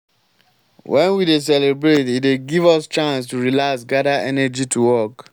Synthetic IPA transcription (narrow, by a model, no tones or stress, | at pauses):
wʔɛ̃nwides̬ɛlebɹetit̚eɡivɔst͡ʃãnstuɹilasɡadaʔɛnɛd͡ʒitʰuwɔk